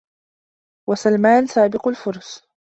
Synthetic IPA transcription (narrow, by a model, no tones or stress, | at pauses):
wasalmaːnsaːbɪqʊlfʊɾˤs